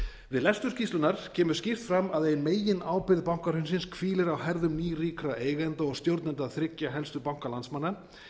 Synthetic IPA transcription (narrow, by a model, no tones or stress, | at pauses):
vɪðlɛst̪ʏɾscist̪lʏnaɾ̥cʰɛːmʏ̥scɪr̥t̪fɾamaðeːjɪnmeːjɪnaːwpɪɾðpawŋ̥kaɾhʏnsɪnskʰviːlɪɾawɦɛɾðʏmniːriːkɾaeːjɣlɛnt̪aɔɣst̪jowɾt̪nɛnt̪aθɾɪcːaɦɛlst̪ʏpawŋ̥kalant̪smanːa